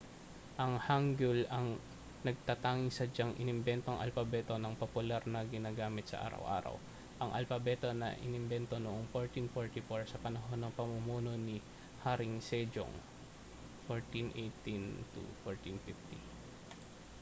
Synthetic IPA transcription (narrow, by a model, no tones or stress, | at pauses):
ʔɐŋhaŋɡʊlɐŋ | nɐɡ̚t̪ɐt̪aːŋɪŋsɐd͡ʒɐŋʔɪ̰nɪmbɛnt̪oŋʔɐ̰lfɐbɛt̪o̞nɐŋpopʊlaɾnɐɡɪnaːɡaːmɪt̪̚sɐ̰ʔa̰ːɾɐ̰wʔa̰ːɾɐ̰w | ʔɐŋʔɐ̰lfɐbɛt̪o̞nɐ̰ʔɪ̰nɪmbɛnt̪o̞noʔoŋfoɹt̪infoɹt̪ɪfoɹsɐpɐnɐɦo̞nːɐŋpɐmʊmuːno̞ni | haɾɪŋsɛd͡ʒo̰ŋ | foɹt̪inʔejt̪int̪ṵfoɹt̪infift̪i